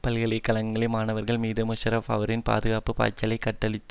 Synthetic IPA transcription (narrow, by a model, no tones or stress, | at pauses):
pɐlɣɐɭeːkːɐlɐŋɡɐɭɪmaːnɐʋɐɾɣɐɭmiːðɯmɐʃɐɾɐfɐ̰ʋɐɾɪnpa̰ːðɯɣaːpɯpa̰ːt͡ʃːɐlɐɪkːɐʈːɐɭɪt̪ː